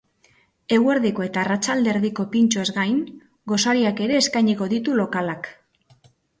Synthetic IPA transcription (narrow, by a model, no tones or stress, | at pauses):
e̞ɣwe̞ɾðiko̞e̞t̪aːrat͡ʃald̪e̞ɾðiko̞pint͡ʃoe̞zɡajn | ɡo̞saɾiake̞ɾe̞ːskajɲiko̞ðit̪ulo̞kalak